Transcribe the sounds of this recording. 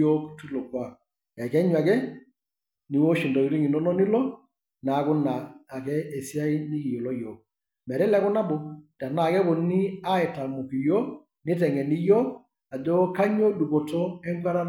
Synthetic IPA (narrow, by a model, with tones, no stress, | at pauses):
ɔ˦ktu˦lɔ˨kwa˨ | ja˨kɛ˦ɲwa˨kɛ˦ | ni˨wɔ˦ʃi˨ndɔ˨i˨˦ɾi˦ŋi˨nɔ˦nɔ˦ni˦lɔ˦ | naː˨˦kʊ˦naː˨kɛ˦ɛ˨si˦a˦i˦ni˦ki˨jɔ˨lɔ˦jɔː˨k̚ | mɛ˨ɾɛ˦lɛ˦kʊ˦na˦bɔ˨d̥a˨na˨kɛ˦bɔ˨ni˦a˦ɛ˨ta˨mɔ˨ki˨jɔ˦ | nɪ˦tɛ˨ŋɛ˨ni˦jɔ˦k | a˨d͡ʒɔ˦ka˦ɲɔ˦du˨kɔ˨tɔ˦ɛ˦ŋka˦ɾa˦